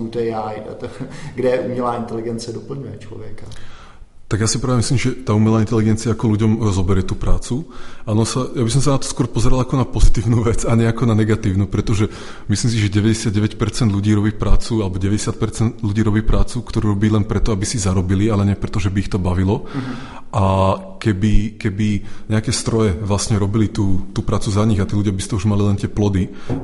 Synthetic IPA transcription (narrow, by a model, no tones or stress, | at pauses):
ut̪ɛjaj | ɡdɛʔumɲɛlaːint̪ɛliɡɛnt͡sɪɛdɔpl̩ɲujɛt͡ʃlɔ̰ʋjɛka | t̪aɡjasi̥pɾaːʋɛmisliːmʒɛt̪aːumɛlaːint̪ɛliɡɛnt͡siaakɔluɟɔmzɔbɛɾɪjɛt̪uːpɾaːt͡suanɔsajabis̬ɔmsanat̪ɔ̥skʊɔɾpɔzɛɾalakɔnapɔzit̪iːʊnuːʋɛt͡saɲɪɛakɔnanɛɡat̪iːʊnuːpɾɛt̪ɔʒɛ | misliːms̬iʒɛɟɛʋɛɟɛsɪad̪̚ɟɛʋɛcpɛɾt͡sɛnd̪ʎuɟiːɾɔbiːpɾaːt͡sualɛbɔɟɛʋɛɟɛsɪat̪̚pɛɾt͡sɛnd̪luɟiːɾɔbiːpɾaːt͡sukt̪ɔɾuːɾɔbiːlɛnpɾɛt̪ɔabisizaɾɔbilialɛɲɪɛpɾɛt̪ɔʒɛbiixt̪ɔbaʋilɔ | ʔa | kɛbikɛbiɲɛakɛːst̪ɾɔjɛʋlasɲɛɾɔbilit̪uːt̪uːpɾaːt͡suzaɲiɣat̪iːluɟɪjabist̪ɔuʒmalilɛnt̪ɪɛplɔd̪i